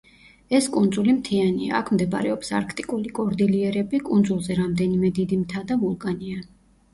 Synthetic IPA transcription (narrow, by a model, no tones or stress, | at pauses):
ɛskʼund̪zulimt̪ʰianḭa̰ːkʰmd̪ɛba̰ɾɛɔpsa̰ɾkʰt̪ʼikʼulikʼɔɾd̪iliɛɾɛbikʼund̪zulˠzɛɾamd̪ɛnimɛd̪id̪imt̪ʰad̪avulˠkʼania